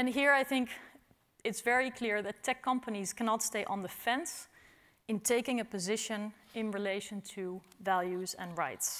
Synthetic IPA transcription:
ɨ̃nɦiɹaɪθɪ̃ŋk | ɨtsvɛɹikʰl̥ɪɹðɨtʰɛkʰːʌ̃mpəniz̥kʰænɑtsteɪʔə̃ndɨfɛ̃ns | ɨ̃ntʰeɪkɪ̃ŋɨpɨzɪʃɨ̃nɪ̃nɹileɪʃɨ̃ntʰɨ | vælˠjʉzə̰̃nɹaɪts

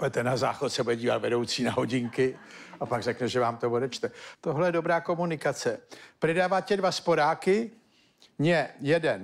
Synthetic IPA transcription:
poɛt̪ɛnaza̰ːxot̪sɛbudɛɟiːva̰t̪vɛdo̞wt͡siːnaɦoɟɪŋkɪʔapaɡrɛknɛʒɛvaːmt̪ovodɛt͡ʃt̪ɛt̪oɦlɛjɛdo̞bɾaːko̞munɪkat͡sɛprɪdaːvaːcɛdvaspoɾaːkɪ | ɲɛjɛdɛn

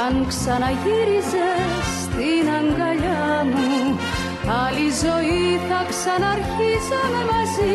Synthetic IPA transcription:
anksanajiɾizə | st̪inaŋɡalamu | alizojit̪ʰaksanaɾçizamemazi

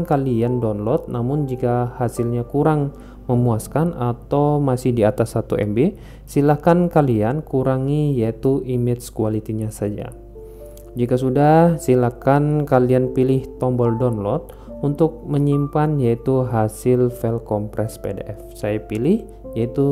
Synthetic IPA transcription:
nkaliandɔnlɔt̪̚namʊnd͡ʒikahasɪlɲakuɾaŋ | məmuaskanat̪awmasɪhdiat̪asːat̪uɛ̰mbe | silakankaliankuɾaŋijait̪uimɪt̪skualit̪iɲasad͡ʒa̰ | d͡ʒikasudahsilakankalianpilɪht̪ɔmbɔldɔnlɔt̪̚ | unt̪ʊk̚məɲimpanjait̪uɦasɪlfɛlkɔmpɾɛspedḛʔɛfsajapilɪh | jait̪u

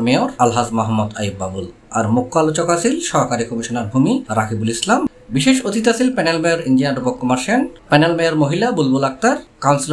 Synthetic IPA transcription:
meoɾalɦasmɔɦɔmːod̪ajib̚ːabul | a̰ɾmukːalot͡ɕokasilʃɔɦkaɾikomiʃonaɾbʱumiɾakʰibulislam | biʃeʃot̪it̪asilpɛnelmeoɾind͡ʑinaɖopokːɔmaɾʃenpɛnelmejoɾmoɦilabulbulak̚t̪aɾkawnsil

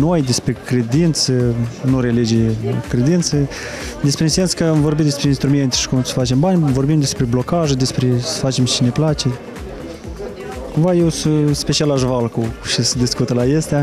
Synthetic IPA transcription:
no̞jd̪e̞spɾekɾe̞d̪int̪sənuɾelid͡ʒiekɾe̞d̪int̪sə | d̪espɾeinse̞nskəamvo̞rbit̪d̪espɾeinst̪ɾume̞nt̪e̥ʃi̥kumsə̥fat͡ʃe̞mbanʲvo̞rbimd̪e̞spɾe̞blo̞kaʒəd̪espɾesə̥fat͡ʃe̞mt͡ʃine̞plat͡ʃe̞ | kumvajewsuspet͡ʃialaʒvalkuʃisəd̪iskut̪əlaest̪ʲea

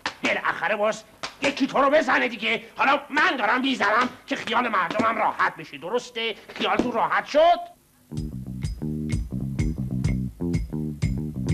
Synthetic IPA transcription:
belʔæ̰xæɾebɒːs | jecʰːit̪ʰoɾobe̞zæned̪iɟehɒːlɒmænd̪ɒːɾæmbiːzænæmcʰexijɒːlemæɾd̪omæmrɒːhæt̪̚ʰbeʃed̪oɾost̪eχijɒːlt̪ʰunrɒːhæt̪ʃod̪̥

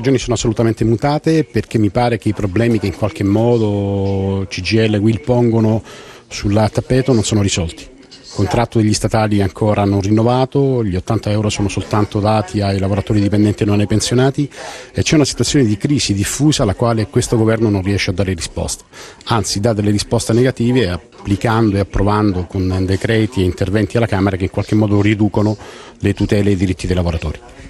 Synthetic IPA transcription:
ead͡ʒoːnisoːnoasːolut̪ament̪emut̪aːt̪eperk̟emːipaːɾek̟eipɾoblɛːmikeiŋkwalk̟emːɔːd̪o | t͡ʃid͡ʒiɛlːeɡwilpɔŋɡono | sulːat̪ːapːɛːt̪ononsoːnorizɔlt̪i̥ | kont̪ɾat̪ːod̪eʎːist̪at̪aːliɛaŋkʰoːɾanonrinːovaːt̪oʎiot̪ːant̪aɛwɾosoːnosolt̪ant̪od̪aːt̪ʰiajlavoɾat̪oːɾid̪ipend̪ɛnt̪inonːajpensjonaːt̪iet͡ʃːɛunasi̥t̪wat̪sːjoːned̪ikɾiːzid̪ifːuːzaːlːakwaːlekwest̪oɡovɛrnononriɛʃːead̪ːaːɾerispɔ̰st̪ḁ | ant̪sid̪ad̪elːeɾispɔst̪eneɡat̪iːveapːlikand̪oeapːɾovand̪okond̪ekɾɛːt̪ieint̪ervɛnt̪ialːakaːmeɾakeiŋkwalk̟emːɔːd̪orid̪uːkono | let̪ut̪ɛːleːd̪ːiɾit̪ːid̪ejlavoɾat̪o̰ːɾi

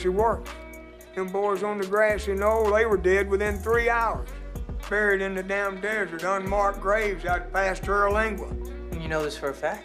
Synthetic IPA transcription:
ʃiwɜ˞k | ɨ̃nbɔɹz̃n̩ðɨɡɹæsinoʊðeɪwə˞dɛd̚wɨθɪ̃nθɹiaʊə˞z̥ | bɛɹiɾɨ̃nðɨdãʊ̃ndɛzə˞ɾə̃nmɑɹk̚ɡ̥ɹeɪvzaʊt̚pʰæstʰɜ˞læ̃ŋɡwə̃ | njɨnoʊðɪsfə˞ɨfæk̚

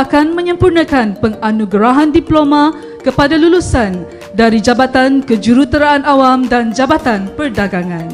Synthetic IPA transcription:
akanmə̃ɲə̃mpurnãkanpəŋanũɡɾaɦandiplomã | kəpadalulusan | daɾid͡ʒabat̪ankəd͡ʒuɾut̪əɾaːnawamdand͡ʒabat̪anpərdaɡaŋãn

